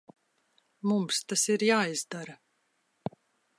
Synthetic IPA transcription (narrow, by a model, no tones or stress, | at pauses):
mumst̪asiɾjaːizd̪aɾa